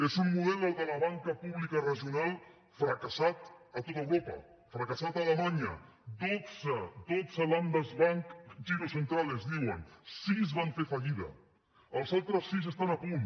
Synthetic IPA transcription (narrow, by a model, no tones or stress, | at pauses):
ezummuðɛləlˠd̪əlɐβaŋkəpuβlikərəʒiunalˠ | fɾəkəsat̪ət̪ot̪əwɾopə̰ | fɾəkəsat̪aːləmaɲə̰ | d̪ozəd̪ozəland̪əzβaŋkʒiɾusənt̪ɾalezðiwənsizβaɱfefɐʎiðə̰ | əlˠzalˠt̪ɾəsːizəst̪anəpun